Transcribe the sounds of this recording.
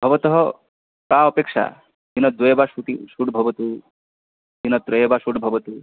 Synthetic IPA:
bʱɔbɔt̪ɔɦɔ | kãɔpekʃa̰ | d̪inɔd̪wɔjɔbaʃuʈ̪iʃuɖbʱɔbɔt̪u | d͡ʒ̪inɔt̪ɾɔjɔbaʃuɽbʱɔbɔt̪u

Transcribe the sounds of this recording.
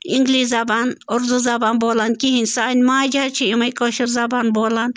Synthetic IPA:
iŋɡliszabanoɾd̪uzabanboːlankiɦinʲsanʲmaːd͡ʒat͡ʃʰiimɐjkoʃiɾzabanboːlan

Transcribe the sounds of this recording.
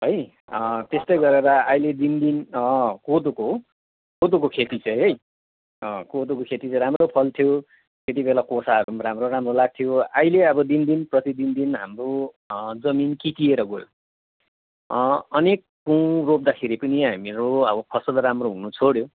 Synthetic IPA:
ɦʌj | ʌt̪est̪ʌjɡʌɾeɾʌajled̪ind̪inʌkod̪oko | kod̪ukokʰet̪it͡sʌ̃j̃ɦʌj | ʌkod̪ukokʰet̪it͡sʌ̃ɾamropʰʌlt̪ʰijo | ket̪̬ibelakosaɦʌɾuɾamroɾamrolaɡ̚t̪ʰijoajleʌbʌd̪ind̪inprʌt̪id̪ind̪inɦa̰mro | d͡zʌminkit̪ieɾʌɡoj | ʌnekːuwrop̚d̪akʰeɾipʌniɦamiɾoʌbʌpʰʌsʌlɾamroɦunut͡sʰoɽjo

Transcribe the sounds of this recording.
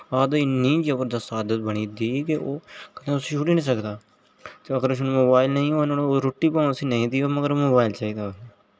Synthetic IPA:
aːd̪oɪnːĩːd͡ʒɐbəɾd̪asaːd̪ət̪̚bəɽ̃id̪iːkeoːkɐt̪ẽʊset͡ʃʰuːʈinĩːsəkd̪aː | t̪eɐɡəɾʃnmoːbaːɪlnɐĩonoɾoʈːipãsinɐɦĩt̪iːomɐɡəɾmoːbaːɪlt͡ʃaːid̪ae

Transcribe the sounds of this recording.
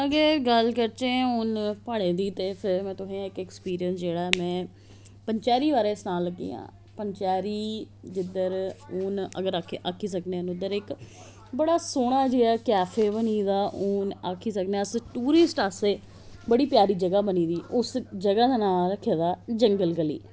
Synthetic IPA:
əɡeːɡəlkəɾt͡ʃẽːʊnpaːɽẽːd̪iːt̪eːpʰɪɾmɛ̃ːt̪ʊɦẽːãːɪkɛkspiːɾijənsd͡ʒeːɽaːmɛ̃ː | pəɲt͡ʃaːɾiːʋaːɾeːsnaːlːəɡːḭːã̰ː | pəɲt͡ʃaːɾiː | d͡ʒɪd̪əɾʊːnə̰ɡəɾakʰeʔaːkʰːiːs̬əkneːnʊd̪əɾɪk | bəɽaːsoːɽ̃aːd͡ʒiːaːkɛːfʰeːbəniːd̪aːʔuːnaːkʰːiːsəkneaːsʈuːɾɪsʈaːseː | bəɽiːpjaːɾiːd͡ʒəɡaːbəniːd̪iːʔʊsd͡ʒəɡaːd̪aːnaːlɾəkʰːeːd̪aːd͡ʒəŋɡəlɡəlḭː

